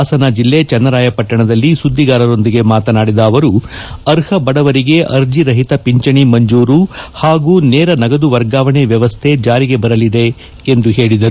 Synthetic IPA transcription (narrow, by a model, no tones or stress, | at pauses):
sɐnad͡ʒilːet͡ʃɐnːɐɾaːjɐpɐʈːɐɳɐd̪ɐlːisud̪ːiɡaːɾɐɾo̞nd̪iɡe̞maːt̪ɐnaːɽid̪ɐːʋɐɾuɐɾhɐbɐɽɐʋɐɾiɡe̞ʔɐɾd͡ʒiɾɐɦit̪ɐpiɲt͡ʃɐɳimɐɲd͡ʒuːɾuhaːɡuːnɛːɾɐnɐɡɐd̪uʋɐɾɡaːʋɐɳeʋjɐʋɐst̪ʰe̞d͡ʒaːɾiɡe̞bɐɾɐlid̪e̞ | end̪uɦe̞ːɭid̪ɐɾu